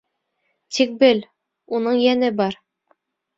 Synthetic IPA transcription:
t̪ʰik̚bɘl | unɤɴjænɘbɒɾ

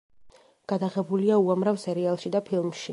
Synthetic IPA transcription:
ɡ̥ad̪aʁɛbuliauamɾavsɛɾialˠʃid̪apʰilˠmʃi

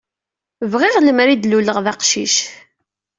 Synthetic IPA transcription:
vʁɪʁləmɾid̪luləʁðɑqʃiʃ

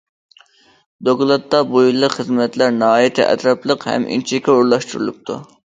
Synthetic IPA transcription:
d̪oklˠɑt̪ːɑbujilˠːəχəzmɛt̪ʰlæɾnɨɦɑːjit̪ʰɪʔɛ̰t̪ɾɑplˠəqhɛ̰mʔḭnt͡ʃʰikʲːɛuɾlˠɑʃt̪uɾulˠup̚t̪ʰṵ

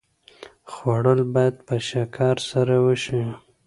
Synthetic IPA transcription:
xwaɽəlbɑjad̪̚pəʃakʰɑɾsaɾawəʃi

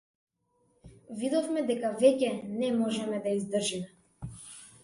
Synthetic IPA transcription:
vid̪ɔfmɛd̪ɛkavɛcɛnɛmɔʒɛmɛd̪aizd̪r̩ʒimɛ

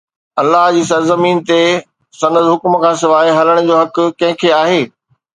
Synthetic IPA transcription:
ɐlːaɦd͡ʑiːs̬ɐɾzɐmiːnt̪e | sɐnəzɦʊkʊmkʰãːsɪʋaːɪɦɐləɽ̃̆d͡ʑoːɦɐk̆kɐ̃ɦɪ̃kʰeaːɦeː

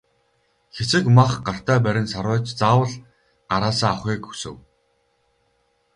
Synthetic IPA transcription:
xet͡sɘ̆kmaχɢar̥t̪æːp̬æɾʲɪ̆nsaɾʊːt͡ɕt͡saːwə̆ɮ | ɢaɾaːsaːaχeːku̥sɘ̰̆w

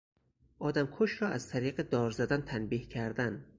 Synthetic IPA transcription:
ʔɒːd̪æmkʰoʃɾɒːʔæzt̪ʰæɾiːɢed̪ɒːɾzæd̪ænt̪ʰænbiːhcʰæɾd̪æn

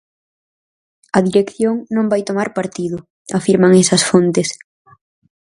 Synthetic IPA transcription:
ɐðiɾekθjoŋnõmbajt̪omaɾpaɾt̪iðʊ | afiɾmaŋɛsɐsfont̪ɪs

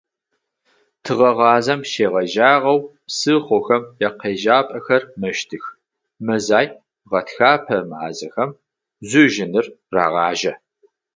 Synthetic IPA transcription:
tʰɨʁɐʁɑːzɐmʃeːʁɐʒaːʁɐwpsɨχʷʊxɐmjɛqeːʒaːpʼɐxɐrmɐʃtʰɨx | mɐzaːj | ʁɐtxaːpʰɐma̰ːzɐxɐm | zuʒɪnɨrra̰ːʁɑːʒɐ

